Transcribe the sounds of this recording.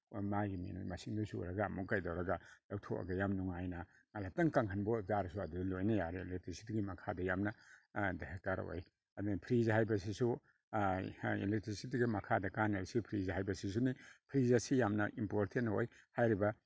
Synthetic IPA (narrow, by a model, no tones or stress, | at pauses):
maɡimḭn̰mɐsiŋdusṵɾɐɡɐːmukajdawɾɐɡɐlawtʰo̰ʔɐ̰ɡɐjamnuŋajnɐ | ŋalatɐŋkaŋkʰɐnbozaɾɐsuɐdudɐlojnɐjaɾelek̚tɾisi̥tɡimɐkʰadɐjamnɐdahek̚taɾ̰o̰j | ɐdupʰɾizɦhajbɐs̬isu | ḛlek̚tɾisitɡimɐkʰadɐkaneɾsipʰɾizɦajbɐsis̬unipʰɾizasijamnɐʔimpoɾtʰentoj | hajɾibɐ